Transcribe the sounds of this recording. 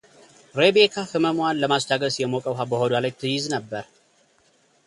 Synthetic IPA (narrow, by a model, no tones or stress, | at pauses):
ɾebekʰafɨməmanləmast͡ʃaɡəsjɛmokʼəwɦabəhod̪walajt̪ʰɨjɪznəbːəɾ